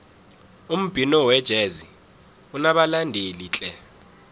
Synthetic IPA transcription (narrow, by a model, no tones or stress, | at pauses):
um̩b̥ʱinɔwɛd̥ʒ̥ʱɛzi | unaɓalandʱelit͡ɬʼɛ